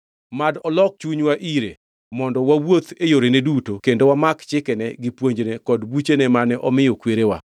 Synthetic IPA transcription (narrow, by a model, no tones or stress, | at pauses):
madɔlɔk̚t͡ʃuɲwaʔiɾe | mɔndɔwawot̪ejoɾenedutokendowamakt͡ʃɪkɛnɛɡɪpwoɲd͡ʒnekɔdbut͡ʃenɛmanɛʔɔmɪjɔkweɾewa̰